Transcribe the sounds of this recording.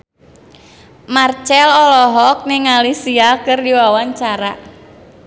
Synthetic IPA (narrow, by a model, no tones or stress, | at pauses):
mart͡ʃɛlɔlɔɦɔk̚nɪŋalisiakɨrdiwawaɲt͡ʃaɾa